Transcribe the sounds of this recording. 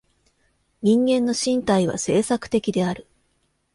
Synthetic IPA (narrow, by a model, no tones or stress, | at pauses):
ɲ̟ĩŋɡẽ̞nːo̞ɕĩnt̪aiβ̞a̰se̞ːsakɯ̟̥t̪e̞kʲid̪e̞aɾɯ̟